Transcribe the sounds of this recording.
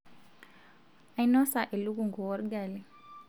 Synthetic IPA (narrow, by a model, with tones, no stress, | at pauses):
ajnɔ˦sa˨ʔe˨lu˦ɡuŋɡɔ˨wɔɾɡali